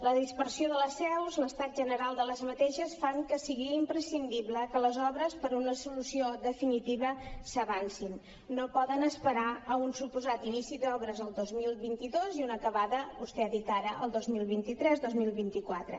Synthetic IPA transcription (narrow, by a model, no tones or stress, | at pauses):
ləðispəɾsioðələsɛwzləst̪at̪̚ʒənəɾalˠd̪ələzmət̪eʃəsfaŋkəsiɣiimpɾəsind̪iβləkələzɔβɾəspəɾunəsulusioðəfinit̪iβəsəβansinː | opɔðənəspəɾaəunsupuzat̪inisid̪ɔβɾəzəlˠd̪ozmilˠβint̪iðoziunəkəβaðəβust̪ɛəðit̪aɾəʔəlˠd̪ozmilˠβint̪it̪ɾɛzd̪ozmilˠβint̪ikwat̪ɾə̰